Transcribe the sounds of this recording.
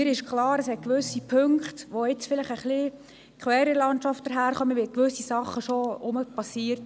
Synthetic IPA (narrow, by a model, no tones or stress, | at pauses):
ɪɾɪʃkʰlɑːɾəsɛt̚kʋʏsːipʰɵŋkχtʋoɪt͡sfɪlɪχəχli | kʰχwɛːɾəlɑntt͡ʃɑftd̥əɾɦæːɾχœmətʋɪkʋʏsisɑχːəʃoʊməpɑsiːəɾt